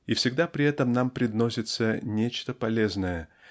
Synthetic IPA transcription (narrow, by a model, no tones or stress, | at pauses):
ifsʲɪɡd̪apɾʲɪɛt̪əmnampɾʲɪd̪no̞sʲɪt̪sənʲet͡ɕt̪əpɐlʲeznəjə